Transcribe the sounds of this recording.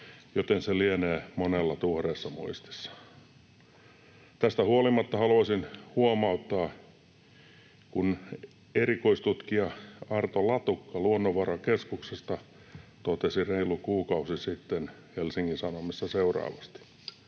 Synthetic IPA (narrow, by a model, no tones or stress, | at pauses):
jot̪enselieneːmonelːɑt̪uhreːsːɑmṵist̪i̥sːɑ̥ | t̪æst̪æhuolimɑt̪ːɑhɑluɑsinhuomɑut̪ːɑː | kun | erikoist̪ut̪kiɑɑrt̪olɑt̪ukːɑluonːoʋɑrɑkeskuksest̪ɑ | t̪ot̪esireilukuːkɑusisit̪ːenhelsiŋkinsɑnomistːɑseurɑ̰ːʋɑst̪i̥